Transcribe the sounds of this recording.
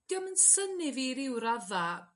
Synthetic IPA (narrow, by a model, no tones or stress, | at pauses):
ɡ̥əmənsənɪviɾɪwɾaða